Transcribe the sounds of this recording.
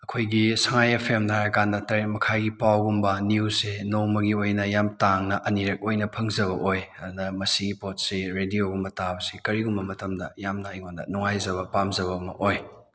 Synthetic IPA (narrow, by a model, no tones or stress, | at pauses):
ɐkʰojɡisɐŋajepʰemdʰaɾɐkandɐtɐɾet̚mɐkʰajɡipawɡumbɐniusenoŋmɐɡiojnɐjamtaŋnɐʔɐniɾɐk̚ojnɐpʰɐŋzɐβɐʔojɐdunɐmɐsiɡipot̚seɾedioɡumbɐtabɐsikɐɾiɡumbɐmɐtɐmdɐ̰jamnɐjŋondɐ̰nuŋajzɐβɐpamzɐβɐːmɐ̰ʔoj